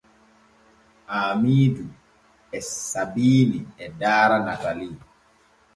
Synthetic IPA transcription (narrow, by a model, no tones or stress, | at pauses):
ʔaːmiːdu | ɛssabiːniɛdaːɾanakali